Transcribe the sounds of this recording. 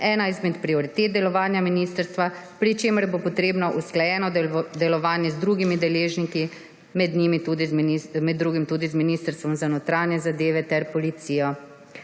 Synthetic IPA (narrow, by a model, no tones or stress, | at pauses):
ɛːnaizmɛt̪pɾiɔɾit̪eːt̪̚d̪ɛlɔʋaːnjaminiːst̪əɾst̪ʋapɾit͡ʃeːməɾjbopɔt̪ɾeːbnɔʔusklajɛːnɔd̪ɛlɔʋaːnjɛzd̪ɾuɡimid̪ɛleːʒniki | mɛd̪nimit̪ud̪iimɛd̪ːɾuːɡimt̪uːd̪izminiːst̪əɾst̪ʋɔmzanɔt̪ɾaːnjɛzad̪eːʋɛt̪ɛɾpɔlit̪siːjɔ